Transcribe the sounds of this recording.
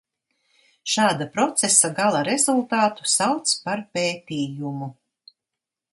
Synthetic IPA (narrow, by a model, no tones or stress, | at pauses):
ʃaːd̪apɾɔt̪sesaɡalˠaɾɛzulˠt̪aːt̪u̥sawt̪spaɾpeːt̪iːjumu